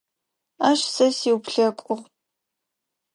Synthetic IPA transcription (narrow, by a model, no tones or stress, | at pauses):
aːʃsɐsiwpɬɐkʷʼʊʁ